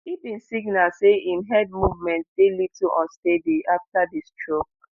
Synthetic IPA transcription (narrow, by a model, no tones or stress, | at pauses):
ibĩnsiɡnalseĩmɦɛd̚muvmɛ̃nt̚d̥elivtuʔɔ̃stediʔaftadistʰɹok̚